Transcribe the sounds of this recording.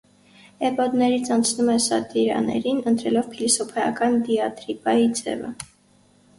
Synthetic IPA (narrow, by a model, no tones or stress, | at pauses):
ɛpɔd̪nɛɾit͡sʰɑnt͡sʰnumɛsɑt̪iɾɑ̰nɛ̰ɾinənt̪ɾɛlɔvpʰilisɔpʰɛjɑkɑnd̪iɑt̪ɾipɑid͡zɛ̰və̰